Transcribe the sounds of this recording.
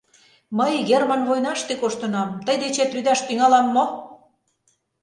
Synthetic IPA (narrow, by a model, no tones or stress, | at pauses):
məjɡermɑnβojnɑʃt̪ekoʃt̪ɤ̆nɑmt̪əjd̪et͡ɕet̪yd̪ɑʃt̪yŋɑlɑmːo